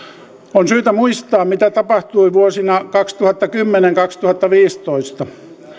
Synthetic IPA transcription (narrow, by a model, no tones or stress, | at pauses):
onsyːt̪æmuist̪ɑːmit̪æt̪ɑpɑht̪uiʋuosinɑkɑkst̪uhɑt̪ːɑkymːeneŋkɑkst̪uhɑt̪ːɑʋiːst̪oist̪ɑ